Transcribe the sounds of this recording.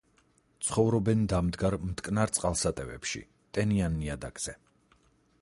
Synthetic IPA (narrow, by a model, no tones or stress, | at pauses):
t̪sʰχɔvɾɔbɛnd̪amd̪ɡaɾmt̪kʼnaɾt̪sʼqʼalˠsat̪ʼɛvɛ̰pʃḭ | t̪ʼɛnianːiad̪aɡz̥ɛ